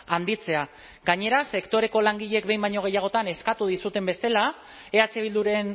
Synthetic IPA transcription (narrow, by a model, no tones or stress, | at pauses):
and̪it͡se̞a | ɡaɲe̞ɾase̞kt̪o̞ɾe̞ko̞laŋɡiʎe̞k̚be̞jmbajɲo̞ɣ̞e̞jaɣ̞o̞t̪ane̞skat̪uð̞isut̪e̞mbe̞st̪e̞la | e̞at͡se̞β̞ild̪uɾe̞n